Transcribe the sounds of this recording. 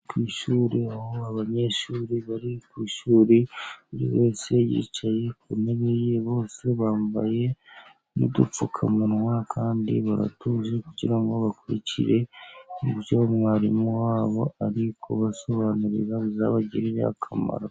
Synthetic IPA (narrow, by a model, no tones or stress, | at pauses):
kwiːʃuːɾiahoaβaɲe̞ʃuːɾiβaɾikwiːʃuːɾiuɾḭβe̞ːse̞jḭːt͡ʃaje̞kuneβejeβo̞ːse̞βaːmbaje̞ | nidup͡fukʰamunwakʰaːndḭβaɾa̰tuzekuɟiɾaŋɡo̞βakuɾḭcḭɾe̞ɡut͡ʃoomŋaːɾimuwaːβo̞aɾikʰo̰βaso̞βanuɾḭɾaβuzaβaɟiɾiɾḛa̰kʰama̰ɾa